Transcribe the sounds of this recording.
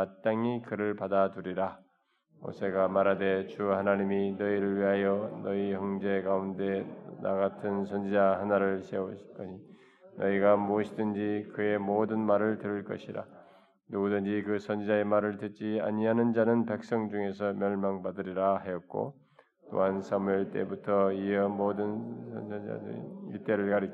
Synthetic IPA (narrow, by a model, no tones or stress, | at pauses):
at͈aŋikɯɾɯɭpadaduɾiɾa | o̰sʰe̞ɡamaɾade̞t͡ɕuhanaɲiminʌiɾɯɭɥiɦajʌnʌihʌŋd͡ʑe̞ɡaunde̞na̰ɡatʰɯnsʰʌnd͡ʑid͡ʑaɦanaɾɯɭsʰeoɕʰi̥k͈ʌi | nʌiɡamuʌɕʰidɯnd͡ʑikɯe̞modɯnmaɾɯɭtɯɾɯɭk͈ʌɕʰiɾa̰ | nuɡɯdɯnd͡ʑikɯsʰʌnd͡ʑid͡ʑae̞maɾɯɭtet̚t͡ɕ͈ia̰ɲiɦanɯnd͡ʑanɯnpe̞k̚s͈ʌŋd͡ʑuŋe̞sʰʌmjʌɭmaŋbadɯɾiɾaɦajʌt̚k͈o̰ | t͈o̰ɦansʰʌmiɭt͈e̞̰butʰʌiʌmodɯnsʰʌnʌa̰ḭt͈e̞ɾɯɭkaɾi